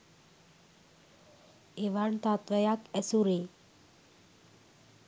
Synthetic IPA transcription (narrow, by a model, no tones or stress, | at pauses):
eʋaɳt̪at̪ʋəjakɛsuɾe